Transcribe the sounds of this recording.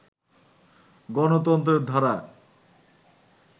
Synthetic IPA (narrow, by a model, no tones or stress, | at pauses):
ɡɔnot̪ɔnt̪ɾeɾd̪ʱaɾa